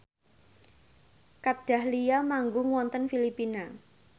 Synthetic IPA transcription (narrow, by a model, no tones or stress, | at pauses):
kad̥a̤hlijamaŋɡʊŋwɔnt̪ənfilipina